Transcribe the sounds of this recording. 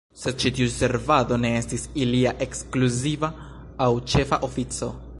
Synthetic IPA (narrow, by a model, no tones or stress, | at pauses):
se̞d̪̚t͡ʃitiuse̞ɾvado̞ne̞e̞stisiliaʔe̞kskluziva | awt͡ʃe̞fa̰ʔo̞fit͡so̞